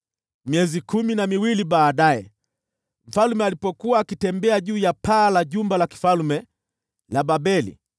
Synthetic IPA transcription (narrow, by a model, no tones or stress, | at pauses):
miɛzikuminamiwiliɓaːɗajɛ | m̩falmɛalipɔkuwaːkitɛmbɛaʄuːjapaːlaʄumbalaki̥falumɛ | laɓaɓɛlḭ